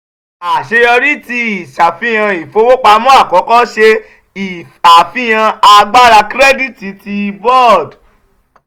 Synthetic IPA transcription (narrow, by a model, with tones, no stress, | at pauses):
a˨ʃe˧ɔ˧ɾi˦ti˧i˨ʃa˨fĩ˦j̃ã˧i˨fo˨˧wo˦k͡pa˧˦mɔ̃˦a˦˨kɔ˨˦kɔ˦ʃe˧ | i˨ | a˨fi˦j̃ã˧a˧ɡ͡ba˦ɾa˧kɾɛ˦di˦ti˨˦ti˧bɔ˦˨d